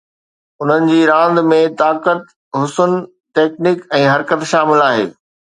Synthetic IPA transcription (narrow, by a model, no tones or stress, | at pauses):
ʊn̤ənɪ̆d͡ʑiːɾãːnd̪mẽt̪aːkət̪ | ɦʊsʊn | ʈeːknɪkɛ̃ːɦɐɾkət̪ʃaːmɪlaːɦḛː